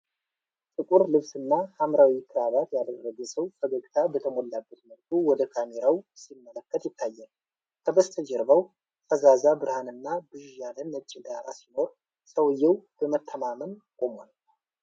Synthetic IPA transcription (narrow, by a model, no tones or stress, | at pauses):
t̪ʼɨkʼuɾlɨβsɨnːahamɾawikʰːɨɾaβat̪jad̪ərːəɡəsəwkʰəɡəɡt̪ʰabət̪ʰəmolːabːət̪məlkʰuwɔd̪əkʰameɾawsimːələkːət̪jɪt̪ʰːajːɛl | kʰəbəst̪ʰəd͡ʒɛɾbaw | fʰəzazabɨɾhanɨnːabɨʒjalənːət͡ʃʼːɪɡaɾa̰sino̞ɾ | səwjːɛwb̥əmət̪ʰːəmamənkʼomol